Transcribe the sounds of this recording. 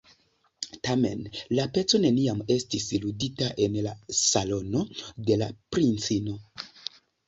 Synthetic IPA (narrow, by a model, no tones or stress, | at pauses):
tame̞̰nlape̞t͡so̞ne̞niame̞stisiluditaʔe̞nlasalo̞no̞de̞lapɾint͡sino̞